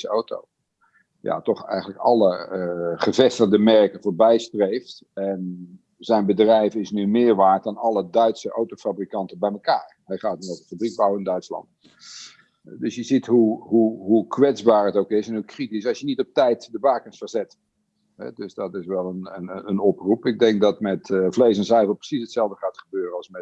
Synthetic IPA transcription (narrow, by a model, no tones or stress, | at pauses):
əowto̰ | ja̰tɔχɛ̰jɣənləkɑ̰lˠəχəvɛstərdəmɛrkəvoːɹbɛjstrejft | ɛn | z̥ɛjnbədrɛjfɪsnymɪːɹʋaːɹt̚dɑnɑlˠədœɥtsəʔowtofabrikɑntəbɛjməkaːɹɦɛjχaːt̚ovdəfabrik̚bawəɪndœɥtslɑ̰nt | dɵsjəzitɦuɦuɦukʋɛdd͡zbaːɹətowkɪsɛnɦukritisɑsjənitɔp̚tɛjtdəbaːkənsfərzɛt | ɦɛ̰dɵsdɔtɪsʋɛlˠənənənɔprupɪɡ̚dɛŋk̚dɑtmɛtvlejs̬ɛnsɛjvəlˠprə̥sisətsɛlˠvdəχaːtχəbøːrəɑlˠsmɛt